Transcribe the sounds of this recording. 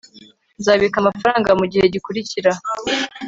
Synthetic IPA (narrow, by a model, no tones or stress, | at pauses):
nzaːβikamafaɾaːŋɡamuɟihe̞ɟikuɾiciɾa